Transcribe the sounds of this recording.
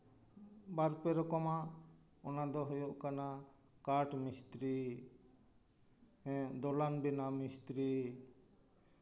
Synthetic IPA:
baɾpɛɾɔkɔma | ɔnad̪ɔɦɔjɔʔkana | kaɾʈmist̪ɾi | ɛ̃d̪ɔlanbɛnamist̪ɾi

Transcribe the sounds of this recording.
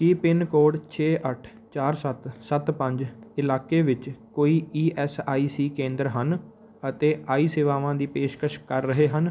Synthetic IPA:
kipɪnkoːɖt͡ʃʰeːʔəʈʰ | t͡ʃaːɾsət̪sət̪pəɲd͡ʒɪlaːkeːʋɪt͡ʃkoːiːiːʔɛːsaːiːsiːkẽːnd̪əɾɦən | ət̪eːʔaːiːseːʋaːʋãːd̪iːpeːʃkəʃkəɾːəɦeːɦən

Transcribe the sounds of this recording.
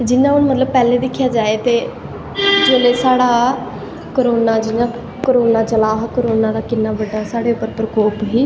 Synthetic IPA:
d͡ʒɪnːãːʊnmət̪ləb̚pɛːleːd̪ɪkʰːjaːd͡ʒaːeːt̪eː | d͡ʒoːleːsaːɽaː | kəɾoːnaːd͡ʒɪnãː | koɾoːnaːt͡ʃəlaːɦkːɾoːnãːd̪aːkɪnːaːbəɖaːsaːɽeːʊpːəɾpɾəkoːpɦiː

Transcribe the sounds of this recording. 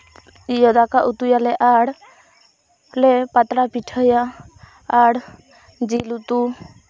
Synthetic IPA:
jɔd̪akaʔut̪ujalɛʔaɽ | lɛpat̪ɽapiʈʰəjaː | ɽ | d͡ʒilut̪u

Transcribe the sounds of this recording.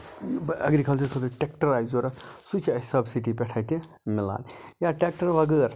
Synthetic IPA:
ɐ̰ɡɾikʰɐlt͡ʃʰɐɾsot̪ɐʈekʈɐɾaːjzoɾɐksut͡ʃʰiɐsɐbsiʈipɛʈʰajt̪i | mila̰ːnjaʈek̚ʈɐɾʋɐɡəːɾ

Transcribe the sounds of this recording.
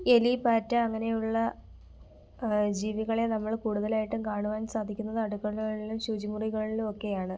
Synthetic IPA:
elipaːtːɐɐŋːɐne̞juɭːɐ | d͡ʑiːʋiɣɐɭenɐmːɐɭkuːɽuðɐlaːjiʈːɨmkaːɳuʋaːnsaːd̪ʱikʲːunːɐðɨɐɽukːɐɭɣɐɭilumɕud͡ʑimuriɣɐɭilumo̞kːe̞jaːɳɨ

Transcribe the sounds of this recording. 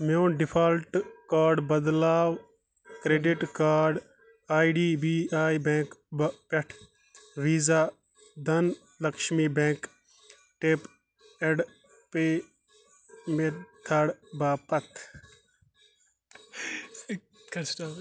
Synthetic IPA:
moːɖipʰaːlʈkaːɾɖbɐd̪laːw | kɾeːɖiʈkaːɾɖ | aːiɖiːbiːaːjbẽːŋkpɛʈʰ | ʋiːzaː | d̪ʱɐn | lɐkʃmiːbẽːŋk | ʈeːp | eɖ | peː | met̪ʰɐɽbaːpɐt̪ʰ | kː

